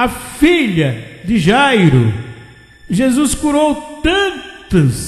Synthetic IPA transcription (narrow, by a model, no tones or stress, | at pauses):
ɐfiʎɐd̪ɪʒajɾʊ | ʒezuskuɾowt̪ɐ̃tt̪ɐs